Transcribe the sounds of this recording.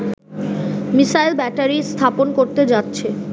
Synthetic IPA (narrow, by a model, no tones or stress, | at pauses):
misajlbɛʈaɾist̪ʰaponkoɾt̪ed͡ʑatːɕʰe